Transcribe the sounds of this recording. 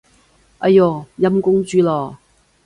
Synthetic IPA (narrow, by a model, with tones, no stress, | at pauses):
ʔɐ˨jɔː˨˩jɐ˧˥mkʊ˥ŋt͡ʃyː˧lɔː˨˩